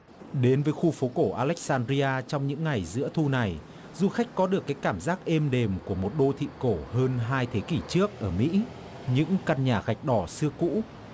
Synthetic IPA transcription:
ɗe˨˦nvəː˨˦jxu˧fo˨˦ko˧˩ʔaː˧lɛ˦˥k̚saː˧nzi˧ʔaː˧t͡ɕɔ˧wŋ͡mɲɨ̰˧˥ŋːa˨˩jzɨ̰˧˥ət̪ʰu˧na˨˩j | zu˧xa˦˥jk̟̚kɔ˨˦ɗɨ˨˩əkːaː˨˦jkaː˧˩mzaː˦˥k̚ʔe˧mɗe˨˩mku˧˩əmo˨˩t̚ɗo˧t̪ʰḭ˧˨ko˧˩həː˧nɦaː˧jt̪ʰe˨˦ki˧˩t͡ɕɨ˦˥ək̚ʔəː˧˩mḭ˧˥ | ɲɨ̰˧˥ŋka˧nɲaː˨˩ɣa˨˩jk̟̚ɗɔ˧˩sɨ˧əkṵ˧˥

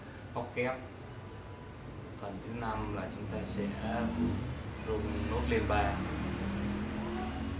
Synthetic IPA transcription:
ʔɔ˦˥t̚kɛ˦˥p̚ | fə˨˩nt̪ʰɨ˨˦na˧mlaː˨˩t͡ɕʊ˨˦ŋ͡mt̪aː˧sɛ̰˧˥˨ | zu˧no˦˥t̚le˧nɓaː˧

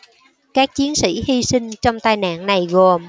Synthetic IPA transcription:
kaː˦˥k̚t͡ɕi˨˦ənsḭ˧˥hi˧sï˧ŋ̟t͡ɕɔ˧wŋ͡mt̪aː˧jna̰ː˧˨nna˨˩jɣo˨˩m

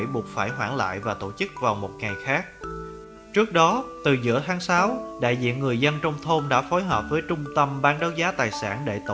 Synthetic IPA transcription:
jɓu˨˩ət̚faː˧˩jɦwaː˧˩ŋla̰ː˧˨jvaː˨˩t̪o˧˩t͡ɕɨ˦˥k̚vaː˨˩wmo˨˩t̚ŋa˨˩jxaː˦˥k̚ | t͡ɕɨ˦˥ək̚ɗɔ˨˦t̪ɨ˨˩zɨ̰˧˥ət̪ʰaː˨˦ŋsaː˨˦wɗa̰ː˧˨jzḭ˧˨ənŋɨ˨˩əjzə˧nt͡ɕɔ˧wŋ͡mt̪ʰo˧mɗa̰ː˧˥fo˨˦jɦəː˨˩p̚vəː˨˦jt͡ɕʊ˧ŋ͡mt̪ə˧mɓaː˨˦nɗɔ˨˦wzaː˨˦t̪aː˨˩jsa̰ː˧˩nɗḛ˧˩t̪o˧

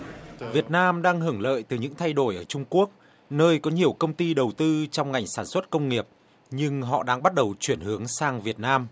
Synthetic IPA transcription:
vi˨˩ət̚naː˧mɗaː˧ŋɦɨ˨˧˩əŋlə̰ː˧˨jt̪ɨ˨˩ɲɨ̰˧˥ŋt̪ʰa˧jɗo˧˩jʔəː˧˩t͡ɕʊ˧ŋ͡mku˦˥ək̚ | nəː˧jkɔ˨˦ɲi˨˩əwkə˧wŋ͡mt̪i˧ɗə˨˩wt̪ɨ˧t͡ɕɔ˧wŋ͡mŋa˨˩jŋ̟saː˧˩nswə˦˥t̚kə˧wŋ͡mŋi˨˩əp̚ | ɲɨ˧ŋɦɔ̰˧˨ɗaː˧ŋɓa˦˥t̚ɗə˨˩wt͡ɕwi˧˩ənhɨ˨˦əŋsaː˧ŋvi˨˩ət̚naː˧m

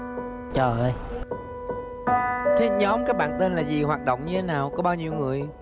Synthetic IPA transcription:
t͡ɕəː˨˩ə˧˦j | t̪ʰi˦˥ət̚ɲɔ˨˦mkaː˨˦˥k̚ɓa̰ː˧˨nt̪e˧nlaː˨˩zi˨˩ɦwaː˨˩t̚ɗo̰˧˨wŋ͡mɲɨ˧t̪ʰe˨˦naː˨˩wkɔ˨˦ɓaː˧wɲi˧əwŋɨ˨˩əj

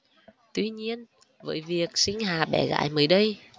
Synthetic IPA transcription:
t̪wi˧ɲi˧ən | və̰ː˨˦jvi˨˩ək̚sï˧ŋ̟haː˨˩ɓɛ̰˧˩ɣa̰ː˧˨jməː˨˦jɗə˧j

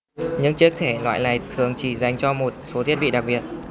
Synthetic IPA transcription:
ɲɨ̰˧˥ŋt͡ɕɨ˦˥ək̚t̪ʰe˧˩lwa̰ː˧˨jna˨˩jt̪ʰɨ˨˩əŋt͡ɕi˧˩za˨˩jŋ̟t͡ɕɔ˧mo˨˩t̚so˨˦i˦˥ət̚ɓḭ˧˨ɗa˨˩k̚ɓi˨˩ət̚

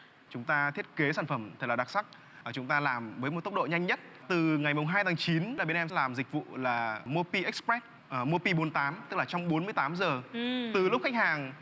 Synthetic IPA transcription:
t͡ɕʊ˨˦ŋ͡mt̪aː˧t̪ʰi˦˥ət̚ke˨˦saː˧˩nfə˧˩mt̪ʰə˨˩k̚lːɗa˨˩t̚sa˦˥k̚ː | t͡ɕʊ˨˦ŋ͡mt̪aː˧laː˨˩mvəː˨˦jo˨˩t̪ə˦˥w̚k͡p̚ɗo̰˧˨ɲa˧jŋ̟ɲə˦˥t̚ | t̪ɨ˨˩ŋa˨˩jmʊ˨˩ŋ͡mɦaː˧jt̪ʰaː˨˦ŋt͡ɕi˨˦nɗaː˧˩ɓnʔɛ˧m˧laː˨˩mzï˨˩k̟̚vṵ˧˨laː˨˩mo˧pi˧ʔɛ˦˥k̚spɹɛ˦˥t̚ | ʔmo˧pi˧ɓo˨˦nt̪aː˨˦mt̪ɨ˦˥k̚laː˨˩t͡ɕɔ˧wŋ͡mɓo˨˦nmɨ˧əjt̪aː˨˦mzəː˨˩t̪ɨ˨˩lʊ˦˥k͡p̚xa˦˥k̚haː˨˩ŋ

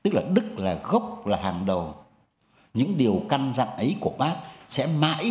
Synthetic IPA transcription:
t̪ɨ˦˥k̚laː˨˩ɗɨ˦˥k̚laː˨˩ɣə˦˥wk͡p̚laː˨˩haː˨˩ŋɗə˨˩w | ɲɨ̰˧˥ŋɗi˨˩əwka˧nza̰˧˨nʔə˨˦jku˧˩əɓaː˦˥k̚sɛ̰˧˥ma̰ː˧˥j

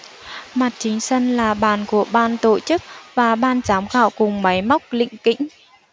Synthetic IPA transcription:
ma˨˩t̚t͡ɕï˨˦ŋ̟sə˧nlaː˨˩ɓaː˨˩nku˧˩əɓaː˧nt̪o̰˧˨t͡ɕɨ˦˥k̚vaː˨˩ɓaː˧nt͡ɕaː˨˦wmɣa̰ː˧˨wkʊ˨˩ŋ͡mma˨˦jma˦˥wk͡p̚lḭ̈˧˨ŋ̟kḭ̈˧˥ŋ̟

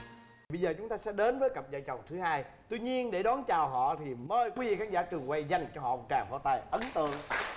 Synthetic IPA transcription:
ɓə˧jzəː˨˩t͡ɕʊ˨˦ŋ͡mt̪aː˧sɛ̰˧˥ɗe˨˦nvəː˨˦jkə˨˩p̚zə̰ː˧˨jt͡ɕə˨˩wŋ͡mt̪ʰɨ˨˦haː˧jt̪i˧ɲi˧ənɗe˧˩ɗɔ˨˦nt͡ɕaː˨˩wɦɔ̰˧˨t̪ʰi˨˩məː˧jkwi˨˦vḭ˧˩kaː˨˦˥ŋzaː˧˥t͡ɕɨ˨˩əŋkwa˧jza˨˩jŋ̟t͡ɕɔ˧ɦɔ̰˧˨˩t͡ɕaː˧˩ŋho̰˧˨˦t̪a̰ː˧˩jʔə˨˦nt̪ɨ̰˧˨əŋ

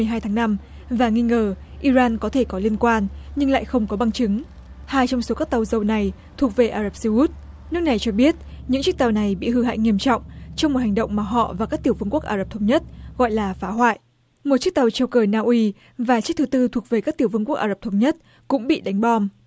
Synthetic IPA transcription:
ɨ˨˩əjɦaː˧jt̪ʰaː˨˦ŋna˧m | vaː˨˩ŋi˧ŋəː˨˩ʔi˧zaː˧nkɔ˨˦t̪ʰe˧˩kɔ˨˦li˧ənkwaː˧nɲɨ˧ŋla̰ː˧˨jxə˧wŋ͡mkɔ˨˦ɓa˧ŋt͡ɕɨ˨˦ŋ | haː˧jt͡ɕɔ˧wŋ͡mso˨˦kaː˦˥k̚t̪a˨˩wzə˨˩wna˨˩j | t̪ʰu˨˩ək̚ve˨˩ʔaː˧za˨˩p̚si˧u˦˥t̚ | nɨ˦˥ək̚na˨˩jt͡ɕɔ˧ɓi˦˥ət̚ɲɨ̰˧˥ŋt͡ɕɨ˦˥k̚t̪a˨˩wna˨˩jɓḭ˧˨hɨ˧˩ha̰ː˧˨jŋi˧əmt͡ɕɔ̰˧˨wŋ͡mt͡ɕɔ˧wŋ͡mmo˨˩t̚ha˨˩ŋ̟ɗə̰˧˨wŋ͡mmaː˨˩ɦɔ̰˧˨vaː˨˩kaː˦˥k̚t̪i˧˩əwvɨ˧ŋku˦˥ək̚ʔaː˧˩ə˨˩p̚t̪ʰə˧wŋ͡mɲə˦˥t̚ɣɔ̰˧˨jlaː˨˩faː˨˦ɦwa̰ː˧˨jʔ | mo˨˩t̚t͡ɕɨ˦˥k̚t̪a˨˧˩wt͡ɕə˧wkəː˧˩naː˧ʔwi˧ | vaː˨˩t͡ɕɨ˦˥k̚t̪ɨ˨˦t̪ɨ˧t̪ʰu˨˩ək̚ve˨˩kaː˦˥k̚t̪i˧˩əwvɨ˧ŋku˦˥əkʔaː˧˩ə˨˩p̚t̪ʰə˧wŋ͡mɲə˦˥t̚ | kʊ̰˧˥ŋ͡mɓḭ˧˨ɗa˨˦jŋ̟ɓɔ˧m

